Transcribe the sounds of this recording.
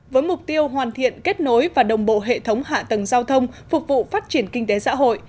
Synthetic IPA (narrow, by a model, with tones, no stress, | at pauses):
vəː˨˦jmʊ˨˩k͡p̚t̪i˧əwɦwaː˨˩nt̪ʰḭ˧˨ənke˦˥t̚no˨˦jvaː˨˩ɗə˨˩wŋ͡mɓo̰˧˨ɦḛ˧˨t̪ʰə˨˦wŋ͡mha̰ː˧˨t̪ə˨˩ŋzaː˧wt̪ʰə˧wŋ͡mfʊ˨˩k͡p̚vṵ˧˨faː˦˥t̚t͡ɕi˧˩ənkï˧ŋ̟t̪e˨˦sa̰ː˧˥ɦo̰˧˨jʔ